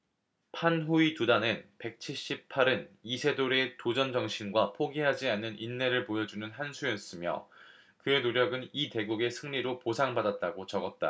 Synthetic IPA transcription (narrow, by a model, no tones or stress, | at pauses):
pʰanɦuitudanɯnpe̞k̚t͡ɕʰiɭɕ͈ip̚pʰaɾɯnisʰe̞doɾe̞tod͡ʑʌnd͡ʑʌŋɕʰinɡwapʰoɡiɦad͡ʑianːɯnʔinːe̞ɾɯɭpojʌd͡ʑunɯnɦansʰujʌs͈ɯmjʌ̰ | kɯe̞noɾjʌɡɯnite̞ɡuɡe̞sʰɯŋɲiɾoposʰaŋbadat̚t͈aɡot͡ɕʌɡʌt̚t͈a̰